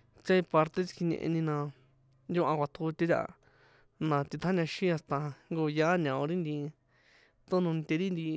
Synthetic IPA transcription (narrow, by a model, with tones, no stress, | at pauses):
t͡ʃa˦i˧pa˧ɾt̪e˦t͡ʃi̥˧ki˧ɲḛ̃˧ʔḛ˧nĩ˧nã˧ | nju˦ʔã˧kʷa˧t̪ʰu˧t̪ʲe˦t̪ʲa̰˧ | nã˧t̪i˧t̪ʰa˦nã˧ʃĩ˦a˧st̪a˧ŋɡo˧ja˦nã˨õ˧ɾi˦nd̪i˧ | t̪ũ˦nũ˧n˧t̪e˧ɾi˦nd̪i˧